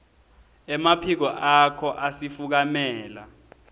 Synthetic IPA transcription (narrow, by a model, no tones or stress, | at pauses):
ɛmapʰik̬ɔʔakʰɔʔasifuk̬amɛːla̰